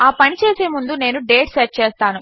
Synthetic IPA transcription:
aːpɐnit͡ʃe̞ːse̞ːmund̪une̞ːnuɖe̞ːʈseʈ̚t͡ʃeːst̪aːnu

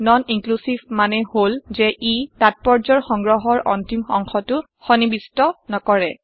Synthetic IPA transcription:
nɔniŋklusibmanɛholzɛʔitat̚pɔɹzɔɹxɔŋɡɹɔɦɔɹʔɔntimɔ̰ŋxʰɔtʊ | xɔnibistɔnɔkɔɹɛ

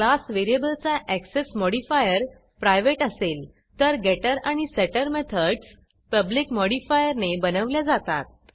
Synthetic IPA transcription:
klasʋeɾiebəlt͡saʔæksesmɔɽifajəɾ | pɾajʋeʈəsel | t̪əɾɡɛʈəɾaɽ̃isɛʈəɾmet̪ʰəɖs | pəblikmɔɽifajəɾnebənəʋljad͡zat̪a̰t̪̚

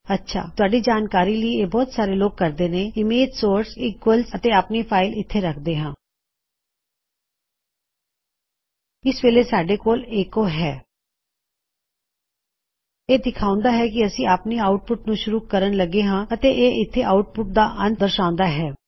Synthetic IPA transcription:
ətːʃʰa̰ːt̪ʊaːɖiːd͡ʒaːnkaːɾiːləiːeːbɔːt̪saːɾeːloːɡ̚kəɾd̪eːneːɪmeːd͡ʒsoːɾsiːkəlsət̪eːaːpneːpʰaːɪlɪt̪ʰːeːɾəkʰd̪eːɦãː | ɪsʋeːleːsaːɖeːkoːleːkoːɦɛː | eːd̪ɪkʰaːʊ̃nd̪aːɦɛːkɪəsĩːaːpniːaːʊʈ̚pʊʈ̚nũːʃʊɾuːkəɾənləɡeːɦãːət̪eːʔeːʔɪt̪ʰːeːʔaːʊʈ̚pʊʈ̚d̪aːʔənd̪əɾʃãːʊ̃nd̪aːɦɛː

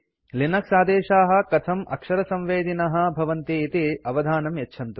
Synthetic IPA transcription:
linɐksaːd̪eːʃaːɦɐ̆kɐt̪ʰɐmʔɐ̰kʂɐɾɐsɐ̃mʋeːd̪inɐɦɐ̆bʱɐʋɐnt̪eːt̪eɐʋɐd̪ʱaːnɐmjɐtːʰɐnt̪u

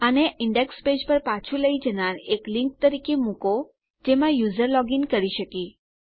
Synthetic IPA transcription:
əneʔɪɳɖeksped͡ʒpəɾpat͡ʃʰuləid͡ʒənaɾeklɪŋk̚t̪əɾikemũko | d͡ʒemãjuzəɾlɔɡinkəɾiʃəki

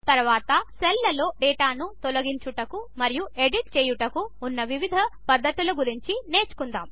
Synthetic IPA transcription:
t̪ɐɾuʋaːt̪ɐselːɐlo̞ːɖɛːʈaːnut̪olɐɡiɲt͡ʃuʈɐkumɐɾijue̞ɖiʈ̚t͡ʃeːjuʈɐkuːnːɐʋiʋid̪ʱɐpɐd̪ʱːɐt̪ulɐɡuɾiɲt͡ʃine̞ːt͡ʃu̥kund̪a̰ːm

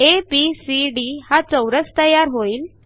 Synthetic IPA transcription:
episiɖihat͡səwɾət͡st̪əjːaɾɦoiːl

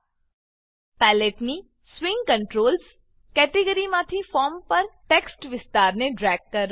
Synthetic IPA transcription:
pɛːleːʈni | swɪ̃ŋɡkɐ̃ɳʈɾoːls | kɛːʈɪɡəɾimãːt̪ʰifɔːɾmpɐɾʈeːksʈʋɪst̪aːɾneɖɾɛːɡ̚kɐɾ

